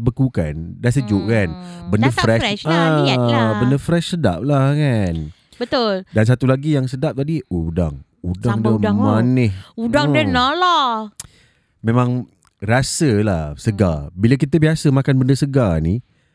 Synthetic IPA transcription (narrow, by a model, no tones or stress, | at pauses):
bəkuka̰ndasəd͡ʒʊʔ̚kanbəndəfɾɛʃa | bəndəfɾɛʃsəda̰p̚lahkan | bət̪ʊldans̬at̪ulaɡijaŋsədap̚t̪adiuda̰ŋ | udaŋdəmanɪhudaŋdənala | mẽmãŋ | rasəlahsəɡa̰bilək̬it̪əbiasəmakanbəndəsəɡani